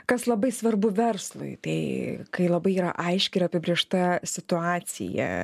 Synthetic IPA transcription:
kɐslˠɐbɐɪsʋɐrbʊʋʲɛrslˠʊ̰ɪt̪ɐɪkɐɪlˠɐbɐɪiːɾɐ̰ʔɐɪʃʲkʲɪɾɐpʲɪbʲɾʲieːʃt̪ɐsʲɪt̪ʊɑːsʲɪ̰jɛ̰

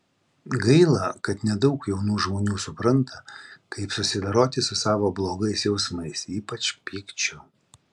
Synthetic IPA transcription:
ɡɐɪlˠɐkɐt̪nʲɛd̪ɐʊkjɛʊnuːʒmoːnʲuːsʊpɾɐnt̪ɐkɐɪpsʊsʲɪd̪ɐɾoːt̪ʲɪsʊsɑːʋoːblˠoːɡɐɪsjɛʊsmɐɪsiːpɐt͡ʃʲpʲiːkt͡ʃʲʊ

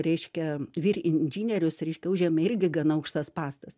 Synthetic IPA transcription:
ɾʲɛɪʃʲkʲɛʋʲiːrɪnʲd͡ʒʲinʲɛɾʲʊsɾʲɛɪʃʲkʲɛʊʒʲɛmɐɪrʲɡʲɪɡɐnɐɐʊkʃt̪ɐspɑːst̪ɐs

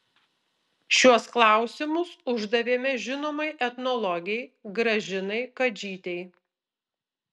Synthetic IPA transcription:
ʃʲuɔsklˠɑˑʊsʲɪmʊsʊʒd̪ɐʋʲeːmʲɛʒʲɪnoːmɐɪʔɛt̪nɔlˠɔɡʲɪɛɪɡɾɐʒʲɪnɐɪkɐd͡ʒʲiːt̪ʲɛɪ

